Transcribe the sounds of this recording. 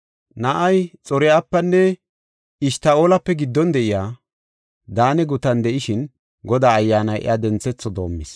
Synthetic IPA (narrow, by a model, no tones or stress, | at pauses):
nɐʔɐjt͡sʼɔɾɪjaːpːɐnːɛ | ɪʃt̪ɐoːlɐpːɛɡɪd̪ːɔnd̪ɛʔɪjaː | d̪aːnɛɡʊt̪ɐnd̪ɛʔɪʃɪn | ɡɔd̪aːjːaːnɐjʔɪ̰jad̪ɛnt͡sːɛt͡sːɔd̪o̞̰ːmːɪs